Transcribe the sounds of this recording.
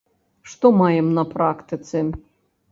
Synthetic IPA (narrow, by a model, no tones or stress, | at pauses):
ʂt̪ɔmajɛmnɐpɾakt̪ɨt̪sɨ